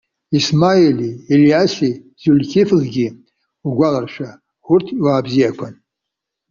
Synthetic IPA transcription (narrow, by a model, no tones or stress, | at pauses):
ismailielijasi | zulʲkʲʰiflɡʲi | uɡʷalarʃʷᶣa | ʊrtʰwaːbzijakʷʰan